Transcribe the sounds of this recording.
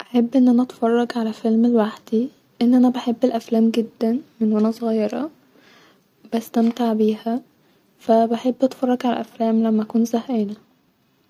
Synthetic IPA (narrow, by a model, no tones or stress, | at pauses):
ʔæħebːʔenːʔænæʔɑt̪fɑrˤːɑɡʕalæfelmelwaħd̪̥i | ʔenːʔænæbæħebːelʔæflæːmɡed̪ːænmenwænæsˤoɣɑjːɑɾˤɑ | b̥æst̪æmt̪eʕbiːhæ | fæbeħebːʔt̪fɑrˤːɑɡʕalæ̰ʔæflæːmlæmːæʔækuːnzæheːnæ